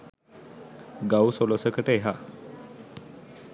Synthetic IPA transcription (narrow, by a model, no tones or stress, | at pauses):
ɡawsolosəkəʈəeɦa